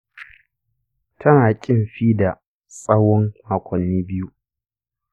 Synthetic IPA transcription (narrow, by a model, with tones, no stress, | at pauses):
tʰɐ˦naː˨kʲʼɪ˦˨mɸiː˦da˨ | sʼɐ˦wɔ˦ŋma˨kʷɔ˨nːiː˦bɪ˦ju˦